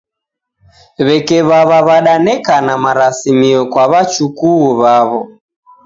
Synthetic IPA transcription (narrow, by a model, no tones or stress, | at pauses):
βɛkɛβaβaβaɗanɛkanamaɾasimiɔkwaβat͡ʃukuːβaβɔ